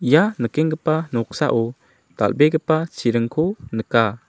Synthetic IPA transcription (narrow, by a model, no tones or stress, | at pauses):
ijanəkɛŋɡəpanɔk̚sa̰ʔɔ | t̪a̰lbeɡəpat͡ʃiɾəŋkʰɔnəka